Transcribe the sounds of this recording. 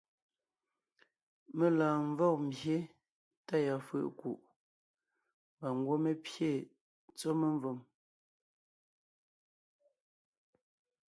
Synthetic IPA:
me˨laː˨ɱ˦vɔ˦˨k̚m˨bje˦ | ta˦ja˨fə̰˨ʔku˨ʔ | ba˨ŋ˦ɡwo˦me˦pje˦˨ | t͡so˦me˦ɱ˦vo˨m

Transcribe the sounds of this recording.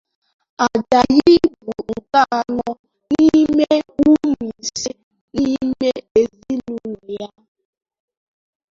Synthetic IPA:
a˨d͡ʒa˨ɣi˦bu˨ŋ̩˨ka˦˨nɔ˦ | ni˦me˦u˦mi˨si˦ | ni˦me˦e˨zi˦nu˦˨ja˦

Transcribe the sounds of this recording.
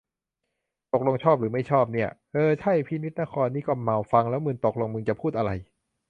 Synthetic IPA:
t̪o˨˩k̚lo˧ŋt͡ɕʰɔː˥˩p̚ɾɯː˩˦ma˥˩jt͡ɕʰɔː˥˩p̚ni˥˩ɐʔɤː˧t͡ɕʰa˥˩jpʰiː˧ni˦˥t̪̚na˦˥˩kʰɔː˧nːiː˦˥˩kɔː˥˩ma˨˩wfa˧ŋlɛː˦˥wmɯ˧ŋt̪o˨˩k̚lo˧ŋmɯ˧ŋt͡ɕa˨˩pʰuː˥˩t̪̚ʔa˧ɾa˧j

